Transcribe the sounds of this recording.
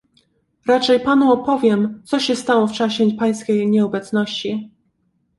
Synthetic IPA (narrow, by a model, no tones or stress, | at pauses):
ɾat͡ʂɛjpanuɔpɔvʲjɛmt̪sɔɕɛst̪awɔft͡ʂaɕɛpaj̃skʲejɲɛɔbɛt̪snɔɕt͡ɕi